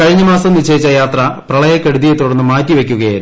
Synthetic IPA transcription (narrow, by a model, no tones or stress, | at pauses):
kɐɻiɲːɐmaːsɐmnit͡ɕːejit͡ɕːɐjaːt̪rɐprɐɭɐjɐkːɐɽuðijet̪ːuɽɐnːɨmaːkʲːiʋe̞kʲːuɣɐjaːɾu